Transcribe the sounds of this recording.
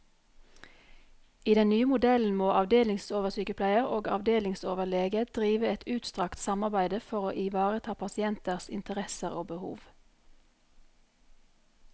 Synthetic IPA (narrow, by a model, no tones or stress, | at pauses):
iːd̪ɛnnyːəmʊd̪ɛln̩moːʔɑʋd̪eːlɪŋsoːʋəʁsyːkəpʰlæɪəʁoːɡɑ̰ʋd̪eːlɪŋsoːʋəleːɡəd̪̥ʁiːʋəɛt̪ʰʉːt̪st̪ʁɑkt̪sɑmɑʁbæɪd̪əfɔʁoːʔɪʋɑːʁət̪ʰɑːpʰɑsɪɛnt̪əʁsɪ̰nt̪əʁɛsəʁo̰ːbəhṵːʋ